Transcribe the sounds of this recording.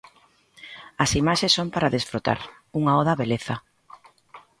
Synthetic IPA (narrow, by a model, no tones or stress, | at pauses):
ɐsimaʃesːompaɾaðesfɾot̪a̰ɾ | uŋaɔðaβeleθa